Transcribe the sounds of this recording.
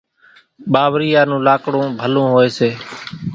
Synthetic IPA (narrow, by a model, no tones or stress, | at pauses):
ɓaːʋɾiːjaːnũːlaːkɽõːbʱəlõːɦoːeːseː